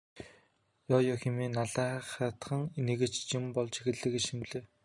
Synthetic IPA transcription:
jɔːjɔːxemiːnaɮæːχaːt̪χə̆ŋneɣɘ̆t͡ɕt͡ɕimpɔɮt͡ɕʰi̥xɘ̆ɮɘ̆kĕt͡ɕximɮĕː

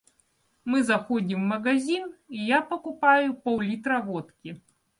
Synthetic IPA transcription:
mɨzaxɔd͡zʲimːɐɣazʲinijapɐkupajʊpɐwlʲit̪ɾɐvɔt̪kʲi

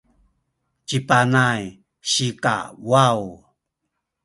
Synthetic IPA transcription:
t͡ɕipanaj | ɕika̰waw

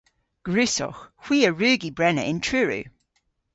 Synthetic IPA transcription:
ɡ̥ɹʉˑsɔ̰xhw̥iːəɹʉːɡibɹɛnə̰ʔɪ̃ntʰɹʉːɹʉ̰

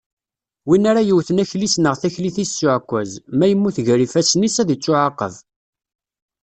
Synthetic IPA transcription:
winaɾajəwθənæçlisnəʁθæçliθisːʊʕkʷːæzmæjəmːuθʝɾifæsnisæðət͡sːʊʕaqːə̰v

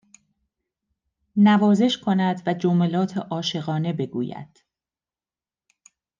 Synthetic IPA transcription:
nævɒːze̞ʃkʰo̞næd̪væd͡ʒomelɒːt̪ʰeʔɒːʃe̞ɣɒːne̞be̞ɡṵːjæ̰d̪̥

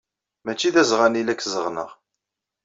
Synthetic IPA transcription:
mæt͡ʃːiðæzʁænilækːzəʁnə̰ʁ

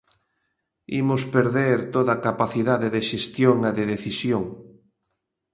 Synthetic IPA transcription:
imʊspeɾðeɾt̪oðakapaθiðaðeðeʃest̪joŋeðeðeθisjoŋ

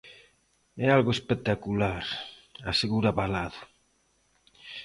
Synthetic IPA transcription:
ɛalɣʊespet̪akulaɾaseɣuɾaβalaðʊ

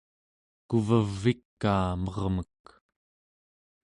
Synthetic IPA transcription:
kuvəvːikːaːmʌʁmək

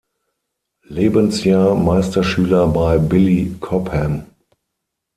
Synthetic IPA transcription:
leːbənsjaːɐmaɪstɐʃyːlɐbaɪbɪlikʰɔphɛm

